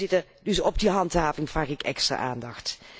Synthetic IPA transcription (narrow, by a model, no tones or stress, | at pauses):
ɪtədɵsɔb̚diɦɑntɦaːvɪŋvraːχɪkɛkstra̰ʔaːndɑxt